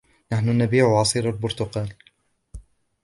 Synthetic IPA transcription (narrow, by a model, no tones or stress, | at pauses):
naħnʊnabiːʕʕɑsˤiːɾalbʊɾt̪ʊqɑːl